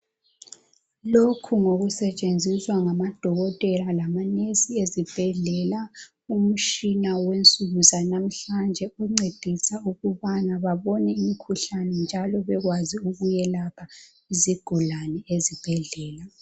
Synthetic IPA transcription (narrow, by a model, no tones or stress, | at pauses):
lokʰuŋoɣusɛt͡ʃʼend͡zʱiswaŋamad̥ʱɔɣɔtʼɛlalamanesiezib̥ʱɛɮɛla | um̩t͡ʃinawent͡sʼuɣuzanam̩ɬand͡ʒʱɛuŋ͡ǀed̥ʱisauɣuβanaβaβɔnɛimikʰuɬanɛnd͡ʒʱalɔβɛɣwaziuɣujɛlapʰa | iziɡ̥ʱulanɛezib̥ʱɛɮɛːla